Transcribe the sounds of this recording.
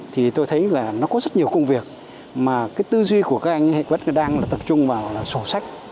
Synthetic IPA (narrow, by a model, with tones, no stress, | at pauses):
t̪ʰi˨˩t̪o˧jt̪ʰə˨˦jlaː˨˩nɔ˨˦kɔ˨˦zə˦˥t̚ɲi˨˩əwkə˧wŋ͡mvi˨˩ək̚ | maː˨˩kaː˨˦jt̪ɨ˧zwi˧ku˧˩əkaː˦˥k̚ʔa˧jŋhḛ˧˨və̰˧˥n˧ɗaː˧ŋlaː˨˩t̪ə˨˩p̚t͡ɕʊ˧ŋ͡mvaː˨˩wlaː˨˩so˧˩sa˦˥jk̟̚